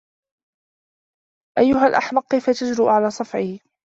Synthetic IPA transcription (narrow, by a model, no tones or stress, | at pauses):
ʔajːʊɦalʔaħmɑqːɪjfat̪ad͡ʒɾuːʔʕalaːsˤɑfʕiː